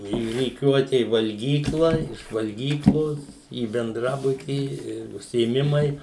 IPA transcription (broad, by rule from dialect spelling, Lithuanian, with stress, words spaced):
iː rʲiːˈkʲuɔtʲɛ ɪ ʋɐlʲˈɡʲiːklˠɐ ɪʃ ʋɐlʲˈɡʲiːklˠoːs iː bʲɛnˈdrɑːbʊtʲiː ɪ ʊʃʲsʲɪeːˈmʲɪmɐɪ